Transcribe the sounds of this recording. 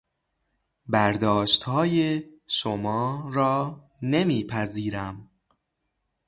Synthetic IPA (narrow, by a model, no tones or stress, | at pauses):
bæɾd̪ɒːʃt̪hɒːjeʃomɒːɾɒː | nemiːpʰæziːɾæm